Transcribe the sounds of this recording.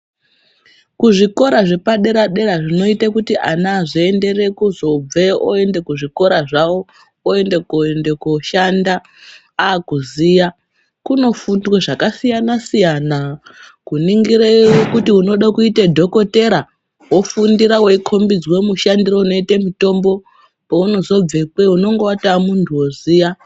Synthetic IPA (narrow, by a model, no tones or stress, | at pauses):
kuʐiko̞ɾaʐe̞paɗe̞ɾaɗe̞ɾaʐino̞itekutianaːʐiende̞re̞kuzo̞b͡ve̞oende̞kuʐiko̞ɾaʐawo̞ | oe̞ndekoende̞koʃandaː | kuzija | kuno̞fundweʐakasijanasijana | kuniŋɡiɾewokutiuno̞ɗakuitedʱo̞ko̞te̞ɾa | wofundiɾaweikʰo̞mbid͡zwe̞muʃandiro̞uno̞itemito̞mbo̞ | pouno̞zo̞b͡vekwe̞uno̞ŋɡowatamuntʰuwoziːja